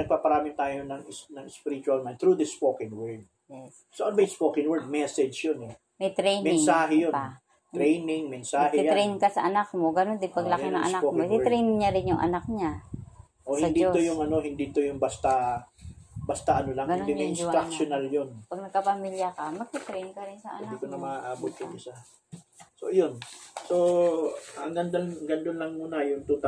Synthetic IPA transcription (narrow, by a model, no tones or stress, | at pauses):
nɐɡ̚paːpɐɾaːmɪnt̪aːjonɐŋɪsnɐŋɛspɪɾit͡ʃuɐlmant̪ɾud̪ɐspokɪŋwɛɹd̪̚ | jɛs | soʔɐnmɐjspokɪŋwɛɹd̪̚mɛsɛd͡ʒjonɛ | mɐjt̪ɾɛjnmɛɪŋsaːɦɛjoa | t̪ɾɛjnɪŋmɛnsaːhɛɪjaɾɛjnkɐsɐʔɐnakmo̞ɡɐnond̪ɪpɐɡlɐkɪnɐŋʔɐ̰apokmot̪ɪt̪ɾejnɪŋɲaɾɪnjʊŋʔɐ̰nak̚ɲa | ʔohɪɐdd͡ʒ̪id͡ʒot̪ojʊŋɐno̞hɪnd̪it̪ojʊŋbast̪a | bast̪aʔɐnolaŋɡɐd̪ɪmɛnst̪ɾakʃʊnaljonpɐɡ̚nɐɡ̚kɐpɐmiljɐkɐmɐɡ̚t̪ɪt̪ɾɛjnkɐɾɪnsɐʔɐnɛaikonɐmaaʔaːbot̪̚kʊɪsa | so̰jonso | ɐŋɡɐnd̪anŋɡɐnd̪onlɐŋːuːnajʊŋt̪ut̪